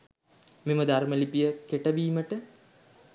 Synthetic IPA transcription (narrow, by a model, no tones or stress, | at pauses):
miməd̪aɾməlipijəkeʈəʋiːməʈə